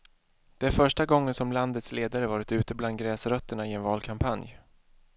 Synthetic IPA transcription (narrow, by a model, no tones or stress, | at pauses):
d̪̥ɛæɾfœʂʈaɡɔŋːənsɔmland̪ət̪sleːd̪aɾəvɑːɾɪt̪ʉ̟ːt̪əbland̪̚ɡɾɛːsɾœt̪ːəɳaɪɛnvɑːlkʰampʰanj